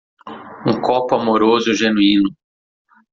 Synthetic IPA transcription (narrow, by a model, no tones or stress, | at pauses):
ũkɔpʊamoɾozʊʒenuĩnʊ